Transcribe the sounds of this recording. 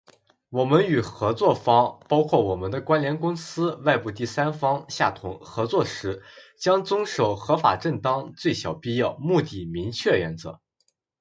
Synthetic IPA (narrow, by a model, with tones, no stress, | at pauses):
wɔ˨˩mə˦ny˨˩xɤ˧˥t͡swɔ˥˩fɑ˥ŋpɑ˥ʊkʰwɔ˥˩wɔ˨˩mə˦nd̪ə˧kwa˥nljɛ˧˥nkʊ˥ŋsɹ̩˥wa˥˧ɪpu˥˧t̪i˥˩sa˥nfɑ˥ŋɕja˥˩t̪ʰʊ˧˥ŋxɤ˧˥t͡swɔ˥˩ʂɻ̩˧˥t͡ɕjɑ˥ŋt͡sʊ˥ŋʂo˨˩ʊxɤ˧˥fa̰˨˩ʈ͡ʂə˥˩nt̪ɑ˥ŋt͡swe˥˩ɪɕjɑ˨˩ʊpi˥˧jɑ˥˩ʊmu˥˧t̪i˥˩mi˧˥ŋt͡ɕʰɥɛ˥˩ɥɛ̰˧˥nt͡sɤ˧˥